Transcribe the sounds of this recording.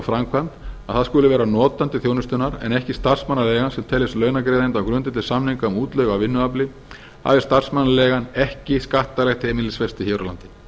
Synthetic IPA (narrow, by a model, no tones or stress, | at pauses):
fɾamkʰant̪aðθaðskʏːlʏvɛːɾanɔːt̪ant̪ɪθjoːwnʏst̪ʏnaɾɛ̰nɛhcɪst̪ar̥smanːalɛːɣansɛmt̪ʰɛlːɪst̪lœːɥnakɾeːðɪnt̪awkɾʏnt̪ɪnt̪ːɪ̥samnhɪŋkaʏmuːt̪lœːɥɣavɪnːʏaplɪ | ha̰vɪst̪ar̥smanːalɛːɣanɛhcɪskaht̪alɛxt̪hɛːmɪnlɪsfɛst̪ɪçɛːɾala̰nt̪ɪ̥